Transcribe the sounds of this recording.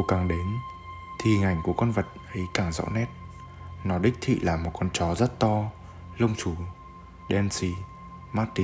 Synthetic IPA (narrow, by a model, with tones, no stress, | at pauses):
wkaː˨˩ŋɗe˨˦n | t̪ʰi˧˩ŋa˨˩jŋ̟ku˧˩əkɔ˧nvə˨˩t̚ʔə˨˦jkaː˧˩ŋzɔ̰˧˥nɛ˦˥t̚ | nɔ˨˦ɗï˦˥k̟̚t̪ʰḭ˧˨laː˨˩mo˨˩t̚kɔ˧nt͡ɕɔ˨˦zə˦˥t̚t̪ɔ˧ | lə˧wŋ͡mt͡ɕu˧˩ | ɗɛ˧nsi˧ | maː˦˥t̪̚ːi˧˦